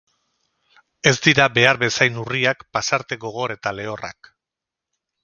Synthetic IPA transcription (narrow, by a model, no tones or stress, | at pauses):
e̞zd̪iɾabe̞aɾbe̞sajnuriakpasaɾt̪e̞ɣo̞ɣ̞o̞ɾe̞t̪ale̞o̞ra̰k